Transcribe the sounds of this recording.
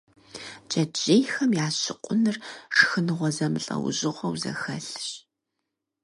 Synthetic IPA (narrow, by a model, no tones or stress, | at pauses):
d͡ʒɐd͡ʒejxɐmjaːɕɪqʷʼʊnɨrʂɨ̥xɨnɨʁʷɔzɐmɨɬʼɐ̰wʊ̰ʑɪʁʷɐwzɐ̰xɐɬɕ